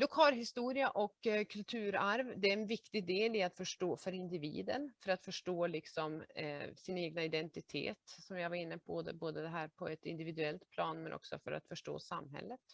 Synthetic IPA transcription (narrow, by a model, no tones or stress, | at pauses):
d̪ɔkʰhɑɾɦɪst̪uːɾɪaʔɔkːkʰːɵlt̪ʰʉ̟ːɾaɾvd̪ɛæɾɛnvɪkt̪ɪɡd̪eːlɪat̪fœʂʈoːfœɾɪnd̪ɪvḭːd̪ənfœɾat̪fœʂʈoːlɪksɔmsɪneːɡnaɪd̪ɛnt̪ɪt̪ʰḛːt̪sɔmjavaɾɪnːəp̚boːd̪ə̰boːd̪əd̪ɛɦæːɾpʰɔɛt̪ɪnd̪ɪvɪd̪ɵɛlt̪pʰlɑːnmɛnʔɔ̰ksɔ̰fœɾa̰t̪fœʂʈo̰ːsamːɦɛ̰lːət̪